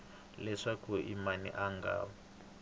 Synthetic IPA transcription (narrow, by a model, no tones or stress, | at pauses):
lɛʂakuʔḭmanḭʔaŋɡa̰ːβɔ